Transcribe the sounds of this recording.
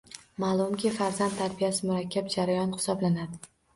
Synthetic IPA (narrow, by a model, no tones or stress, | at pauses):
maːlˠʊmkʲʰifaɾzand̪t̪ʰaɾbijasɪmʊɾakʲʰːap̚d͡ʒaɾajɒnhɪ̥sɒblanad̪ɪ